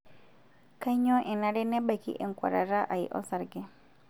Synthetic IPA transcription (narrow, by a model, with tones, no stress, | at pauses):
ka˦i˦ɲɔ̃˦ʔɛ˨na˦ɾɛ˦nɛ˦ɓa˨kḭ˦ʔɛ˨ŋ˨kʷa̰˨ɾa˨ɾa˦ʔa˨jʔɔ̰˦sa˨ɾɡɛ˦